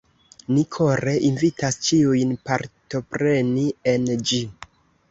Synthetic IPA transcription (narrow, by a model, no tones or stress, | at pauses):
nikʰoɾe̞ʔinvitast͡ʃiujnpaɾto̞pɾe̞nie̞nd͡ʒi